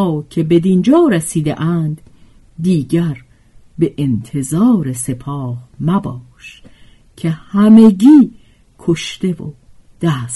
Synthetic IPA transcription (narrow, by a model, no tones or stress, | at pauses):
cʰe̞be̞d̪ind͡ʒɒːɾesiːd̪ḛʔæːnd̪ | d̪iːɡæɾ | be̞ʔent̪ʰe̞zɒːɾese̞pʰɒːhmæbɒːʃ | cʰe̞hæme̞ɟiː | kʰoʃt̪e̞vo̰ | d̪̥æːs